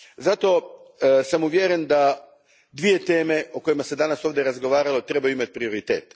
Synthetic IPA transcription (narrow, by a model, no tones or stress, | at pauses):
zat̪o̞samuʋjeɾe̞nd̪a | d̪ʋije̞t̪e̞ːme̞o̞ko̞imase̞d̪anaso̞ːʋd̪ʲeɾazɡo̞ʋaːɾalo̞t̪ɾe̞bajuimat̪̚ʲpɾio̞ɾit̪e̞̰ːt̪